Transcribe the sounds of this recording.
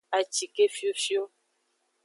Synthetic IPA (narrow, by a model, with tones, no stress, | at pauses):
a˨t͡ʃi˨ke˦fi˦o˦fi˦o˦